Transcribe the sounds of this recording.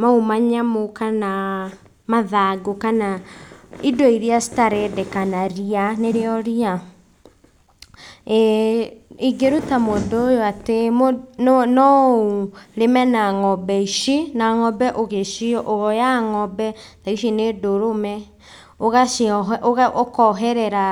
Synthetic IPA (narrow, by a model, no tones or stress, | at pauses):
maumaɲamokana | maðaɡokana | idoiɾiastaɾɛdɛkanaɾianeɾeɔɾia | iɡeɾutamodoːjoatemonɔoɾemɛnaŋɔbɛiʃinaŋɔbɛʔoɣeʃiɔʔoɣɔjaŋɔbɛtaiʃinedoɾomɛ | oɣaʔoɣokɔɦɛɾɛɾa